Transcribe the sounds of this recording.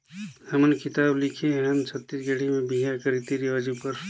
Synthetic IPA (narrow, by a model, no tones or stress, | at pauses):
həmənkɪt̪aːblikʰẽɦəmt͡ʃʰət̪ːisɡeɽimẽbiɦakəɾit̪iɾiəd͡ʒipəɾ